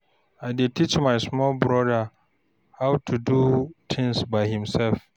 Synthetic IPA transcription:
ʔajdɪd̚tit͡ʃmajsmɔlbɹɔda | hawtʰudut̪ʰɪ̃ŋsbajhɪmsɛlf

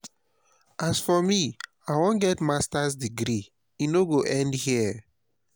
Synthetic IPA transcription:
ʔasfɔmi | aɪwɔ̃nɡɛtmastasdiɡɾi | inoɡoʔɛ̃ndhiə

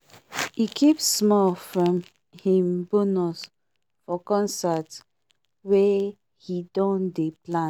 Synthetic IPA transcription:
hikʰipsmɔlfɹɔ̃m | hĩmbonɔs | fɔkɔ̃nsat | wɛ | hidɔ̃ndeplã

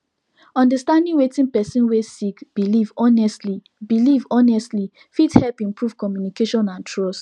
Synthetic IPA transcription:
ɔ̃ndəstãndĩŋwetĩŋpɛsĩnwesikb̥ilivɔnɛstli | bilivɔnɛstli | fithɛlpĩmpɹuv̥kɔmjunikeʃɔ̃nãntʰɹɔs

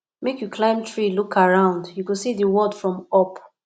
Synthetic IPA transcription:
mekjukʰlãɪ̃mtʰɹilukʰaɹãʊ̃ndjukũsiðiwɔdfɹɔ̃mɔp

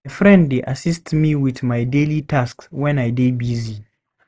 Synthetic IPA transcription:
efɹɛ̃nddeʔasistmiwiθmajdelitʰaskswɛ̃najdebizi

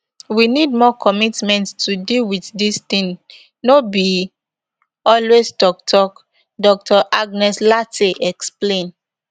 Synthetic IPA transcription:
winid̚mɔkʰɔmitmɛ̃nttʰudilwiθdist̪ĩŋ | nobi | ɔlwestɔk̚tʰɔk | dɔk̚tʰɔʔaɡ̚nɛslateʔɛksplẽn

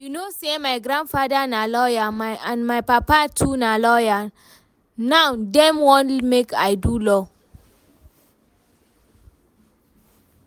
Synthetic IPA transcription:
junosemajɡɾãndfadanalɔjamaãnmajpapatʰunalɔja | nawdɛ̃mwɔ̃nmekajdulɔ

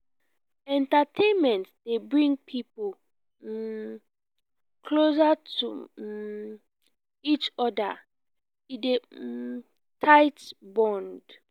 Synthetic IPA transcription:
ɛ̃ntatʰẽnmɛ̃ntdebɹĩŋpʰipo | kʰlosatṵ | it͡ʃɔda | ide | tʰaɪtbɔ̃nd

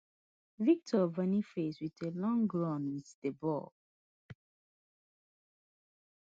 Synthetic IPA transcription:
vik̚tʰɔvɛnifeswitelɔ̃ŋɡɹãnwitd̥əbɔ̰l

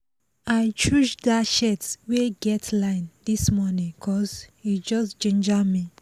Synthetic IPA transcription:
ajt͡ʃud͡ʒdaʃɛtsweɡɛtʰlãɪnd̪ismɔnĩkʰɔzhid͡ʒɔsd͡ʒĩnd͡ʒami

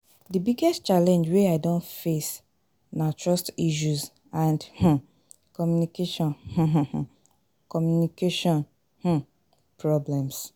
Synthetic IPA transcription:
dibiɡɛstt͡ʃalɛ̃nd͡ʒweaɪdõntfes | natʰɹɔstiʃ̬uz | ãndh̩ | kɔmjunikeʃɔ̃nh̩ɦ̩h̩ | kɔmjunikeʃɔ̃n | h̩ | pɹɔblɛ̃ms

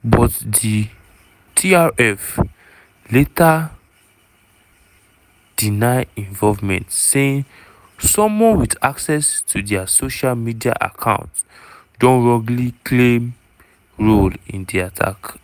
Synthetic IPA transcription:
bɔtdi | tʰiaɹɛf | leta | d̥inaɪĩɱvɔvmɛ̰̃ntseĩn | sɔ̃mwɔ̃nwidaksɛstʰudɛasoʃalmidia̰ʔa̰kʰã̰ʊ̃nt | dõnɹɔ̃ɡlikʰlem | ɹolḭ̃ndiatʰa̰k

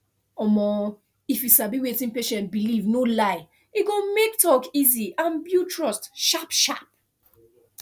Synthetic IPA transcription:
ɔmɔ | ifjusabiwetĩnpeʃɛ̃nt̚bilivnolaɪ | iɡõmektɔkiziãnbjutʰɹɔstʃapʃap̚

